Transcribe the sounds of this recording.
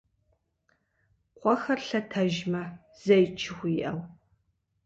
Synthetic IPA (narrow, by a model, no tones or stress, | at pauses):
qʷɔxɐrɬɐtʰɐʒmɐ | z̥ɐjt͡ʃʰɪxʷiʔɐw